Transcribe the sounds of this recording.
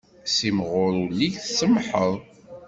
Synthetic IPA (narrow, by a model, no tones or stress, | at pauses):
simʁʊɾulːiʝθsəmħəðˤ